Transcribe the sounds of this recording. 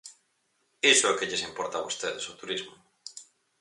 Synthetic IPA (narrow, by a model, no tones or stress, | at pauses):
isʊekeʎesimpɔɾt̪aβost̪eðesot̪uɾizmʊ